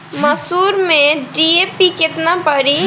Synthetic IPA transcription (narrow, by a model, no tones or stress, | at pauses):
mɐsuːɾmẽɖieːpikɪt̪napɐɾi